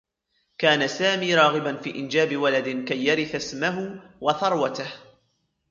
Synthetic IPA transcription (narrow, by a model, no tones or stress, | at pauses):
kaːnasaːmiːɾˤɑːɣɪbanfiːʔɪnd͡ʒaːbɪwalad̪ɪnkajːaɾɪθasmaɦʊwɑθɑɾˤwat̪ah